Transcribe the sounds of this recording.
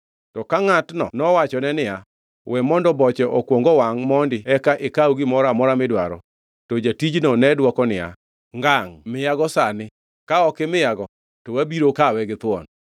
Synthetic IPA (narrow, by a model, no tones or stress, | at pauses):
tɔkaŋatnɔ̰nɔwat͡ʃɔnɛnɪja | wɛmɔndɔbɔt͡ʃɛʔɔkwɔŋɡɔwaŋmɔndɪɛkaʔɪkauɡɪmɔɾamɔɾamɪdwa̰ɾɔ̰ | tɔd͡ʒatid͡ʒnɔnɛdwɔkɔnɪja̰ | ŋɡaŋmɪjaɡɔsanɪ | kaɔkɪmɪjaɡɔ | tɔwabiɾokawɛɡɪt̪wɔ̰n